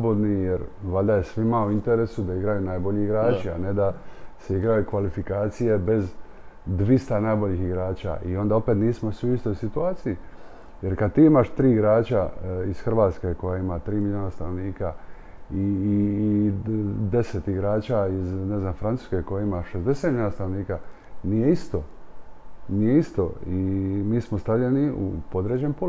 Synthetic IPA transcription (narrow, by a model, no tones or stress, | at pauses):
obod̪nijeɾʋald̪ajesʋimauint̪e̞ɾesud̪aiɡɾajunaːjbo̞ʎiiɡɾaːt͡ʃia̰ne̞d̪aseiɡɾajukʋalifikaːt̪sije̞be̞z | d̪ʋist̪anajbo̞ʎixiɡɾaːt͡ɕa̰ʔio̞nd̪ao̞pe̞t̪niːsmo̞sʋiuist̪o̞jsit̪uaːt̪siji | jeɾkad̪̚t̪iːimaʃt̪ɾiːiɡɾaːt͡ɕaisxr̩ʋaːt̪ske̞ko̞jaimat̪ɾiːmiʎʲjoːnast̪anoʋniːka | i | d̪e̞set̪iɡɾaːt͡ɕaizne̞znamfɾant̪u̥ːskeko̞jaimaʃe̞zd̪e̞set̪miʎjoːnast̪ano̞ʋniːka | nije̞ist̪o | nije̞ist̪o̰imiːsmo̞st̪aʋʎeniṵpo̞d̪ɾed͡ʑempo